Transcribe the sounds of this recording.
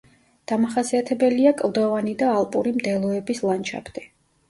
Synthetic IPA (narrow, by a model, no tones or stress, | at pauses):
d̪̥amaχasiat̪ʰɛbɛliakʼlˠd̪ɔvanid̪aːlˠpʼṵɾimd̪ɛlˠɔɛbislˠant͡ʃʰa̰pʰt̪ʼi